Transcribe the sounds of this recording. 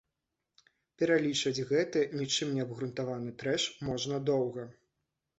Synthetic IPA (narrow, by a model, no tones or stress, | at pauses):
pʲɛɾalʲit͡ʂɐd͡zʲɣɛt̪ɨnʲit͡ʂɨmnʲɛɐbɣɾunt̪avanɨt̪ɾɛʂmɔʐnɐd̪ɔwɣɐ